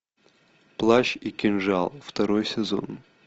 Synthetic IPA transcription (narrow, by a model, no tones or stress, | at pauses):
plˠaɕikʲɪnʐalˠft̪ɐɾojsʲɪzo̰n